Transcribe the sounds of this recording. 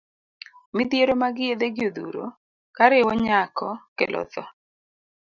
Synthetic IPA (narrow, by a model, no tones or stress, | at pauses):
mɪd̪jeɾomaɡɪed̪eɡɪod̪ṵɾo̰ | kaɾɪwɔɲakɔkelʔɔ̰ðɔ